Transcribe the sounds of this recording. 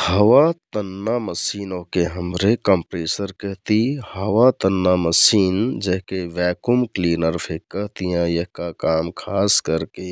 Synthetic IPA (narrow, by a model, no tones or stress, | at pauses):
həʋat̪ənːaməsiːnõkeɦəmɾekəmpɾeːsəɾkəɦt̪ihəʋat̪ənːaməsiːnd͡ʒəɦkeʋɛːkumkliːnəɾpʰekəɦt̪ijãjeɦkakaːmkʰaːskəɾke